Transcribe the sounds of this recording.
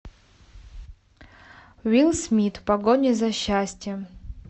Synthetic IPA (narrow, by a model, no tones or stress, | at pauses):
ɥilˠsmʲit̪ʰpaɡonʲezaɕːasʲtʲjɛ